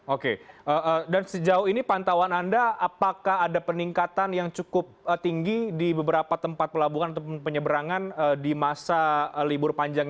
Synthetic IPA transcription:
okeəədansəd͡ʒaʊhinipant̪awanandaapakaɦadapəniŋkat̪anjaŋt͡ʃukʊp̚ət̪iŋɡidibəbəɾapat̪əmpat̪̚pəlabuŋanat̪apʊnpəɲəbəɾaŋanədimasalibʊrpaɲd͡ʒaŋ

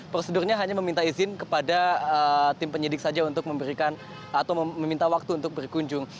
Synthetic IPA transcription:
pɾosədʊrɲaɦaɲaməmint̪aizɪnkəpadaət̪ɪmpəɲədɪk̚sad͡ʒaunt̪ʊk̚məmbəɾikan | at̪awməmint̪awak̚t̪uːnt̪ʊk̚bərkuɲd͡ʒʊŋ

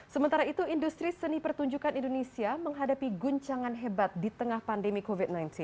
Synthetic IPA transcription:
səmənt̪aɾait̪uindust̪ɾisənipərt̪uɲd͡ʒukanindonesiaməŋɦadapiɡuɲt͡ʃaŋanɦebat̪̚dit̪əŋahpandemikovit̪̚najnt̪in

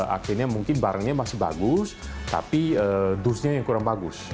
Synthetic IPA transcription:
a̰kirɲamuŋkɪnbaɾaŋɲamasɪhba̰ɡʊst̪a̰piəd̪usɲajaŋkuɾaŋbaɡʊs

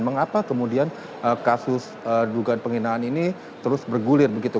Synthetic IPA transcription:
nməŋapakəmudian | ʔəkasʊs | əduɡaanpəŋinaːnini | t̪əɾʊsbərɡulɪrbəɡit̪u

